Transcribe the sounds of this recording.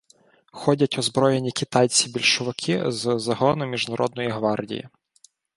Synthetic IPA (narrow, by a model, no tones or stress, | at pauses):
xɔdʲɐtʲɔzbɾɔjenʲikʲit̪ɑjt͡sʲibʲilʲʃʊʋɪkʰizzɐɦɔnʊmʲiʒnɐɾʔɔ̰d̪̚nɔjiɦʋɑrdʲḭjḭ